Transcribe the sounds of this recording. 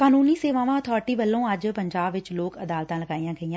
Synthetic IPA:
kaːnuːniːseːʋãːʋãːət̪ʰɔːɾʈiːbəlːõːəd͡ʒpəɲd͡ʒaːbʋɪt͡ʃloːkəd̪aːlt̪ãːləɡaːiːãːɡəijãː

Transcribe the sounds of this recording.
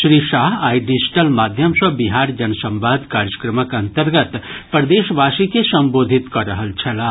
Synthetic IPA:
ʃɾiːʃaːɦaːiɖid͡ʒɪʈəlmaːd̪ʱjəmsəbiɦaːɾd͡ʒɐnsɐ̃mʋaːd̪kaːɾjəkɾəməkɐ̃nt̪əɾɡət̪pɾɐd̪eːʃbʱaːsikesɐ̃mboːd̪ʱɪt̪kɐɾəɦəlt͡ʃʰɐlaː

